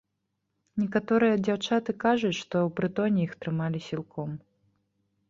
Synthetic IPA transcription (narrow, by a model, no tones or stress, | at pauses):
nʲɛkat̪ɔɾɨjɐd͡zʲawt͡ʂat̪ɨkaʐut͡sʲʂt̪ɔwpɾɨt̪ɔnʲijixt̪ɾɨmalʲisʲilˠkʰɔm